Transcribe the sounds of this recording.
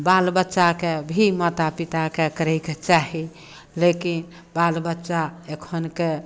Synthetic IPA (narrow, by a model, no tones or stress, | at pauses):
balbətːʃakebʱimət̪apit̪akekəɾɛjket͡ʃaɦi | lekin | balbətːʃaekʰənke